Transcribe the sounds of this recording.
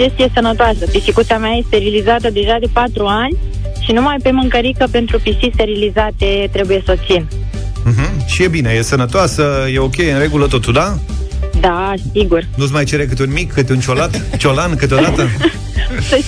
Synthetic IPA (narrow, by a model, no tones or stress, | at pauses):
d͡ʒe̞st̪ije̞sənət̪oasəd̪ifikut̪siameaje̞st̪e̞ɾilizat̪əd̪e̞ʒad̪e̞pat̪ɾuanʲ | ʃinumajpe̞mɨŋkəɾikəpe̞nt̪ɾupiʃt̪ist̪e̞ɾilizat̪e̞t̪ɾe̞buje̞sot̪siñ̩ | ɦm̩ʃije̞bineje̞sənət̪oasəje̞o̞kʲe̞jɨnɾe̞ɡulət̪o̞t̪uld̪ad̪asiɡurnusmajt͡ʃe̞ɾekɨt̪eunmikʰːɨt̪eunt͡ʃo̞lat̪t͡ʃolankɨt̪eod̪at̪ə